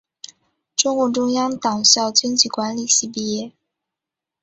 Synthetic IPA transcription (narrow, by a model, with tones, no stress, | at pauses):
ʈ͡ʂʊ˥ŋkwɔ˧˥ʈ͡ʂʊ˥ŋjɑ˥ŋt̪ɑ˨˩ŋɕjɑ˥˩ʊt͡ɕi˥nt͡ɕi˨˩kwa˧˥nli˨˩ɕi˥˩pi˥˩jɛ˥˩